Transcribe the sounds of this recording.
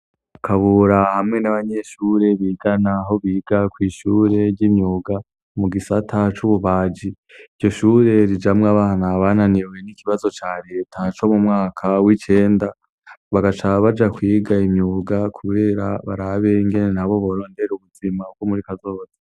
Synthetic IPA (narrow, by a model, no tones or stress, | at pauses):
kʰaβuɾahamŋe̞naβaɲe̞ʃuːɾe̞βiːɡ̥anaɦo̞βiːɡ̥akwiːʃuːɾe̞ɾɟimɲuːɡa | muɡisatʰat͡ʃuβuβaːd͡ʒi | iɟɟo̞ʃuːɾe̞ɾid͡ʒamŋaβaːhanaβaːnaniwe̞nikiβazo̞t͡ʃaɾe̞tʰat͡ʃo̞mumŋaːkʰawit͡ʃe̞ːnda | βaɡat͡ʃaβad͡ʒakwiːɡaimɲuɡakʰuβeːɾaβaɾaβe̞iŋɡe̞ne̞naβo̞βo̞ɾo̞ːnde̞ɾeuβuz̥imauɡwomuɾikazo̞ːza